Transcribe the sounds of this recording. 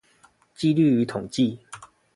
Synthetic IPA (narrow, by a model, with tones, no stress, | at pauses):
t͡ɕi˥˧ly˥˨y˨˦t̪ʰo˨˩ŋt͡ɕi˥˨